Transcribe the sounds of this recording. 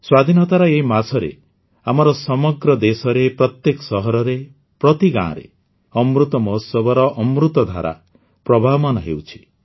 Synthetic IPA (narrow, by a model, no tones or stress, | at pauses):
swad̪ʱinɔt̪aɾɔeimasɔɾḛ | amɔɾɔsɔmɔɡɾɔd̪esɔɾepɾɔt̪jekɔ̥sɔɦɔɾɔɾe | pɾɔt̪iɡã̰ɾḛ | ɔmɾut̪ɔmɔusɔbɔɾɔʔɔmɾut̪ɔd̪ʱa̰ɾa̰ | pɾɔbʱaɔmanɔɦewt͡ʃʰi̥